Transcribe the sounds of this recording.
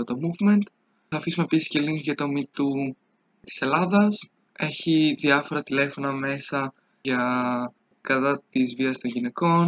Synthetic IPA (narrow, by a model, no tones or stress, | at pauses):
ot̪omuvme̞nt̪ | ɐːfisumepisi̥sce̞liŋkʝɐt̪omit̪u | t̪i̥se̞lɐðɐs | e̞çiðiɐfo̞ɾɐt̪ile̞fo̞nɐme̞sɐ | ʝɐ | kɐt̪ɐt̪izviɐst̪o̞ɲʝine̞ko̞n